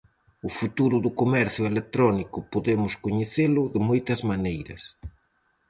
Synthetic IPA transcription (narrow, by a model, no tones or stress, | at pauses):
ʊfut̪uɾʊðʊkomɛɾθjʊelet̪ɾɔnikʊpoðemʊskoɲeθelʊðɪmojt̪ɐzmanejɾɐ̰s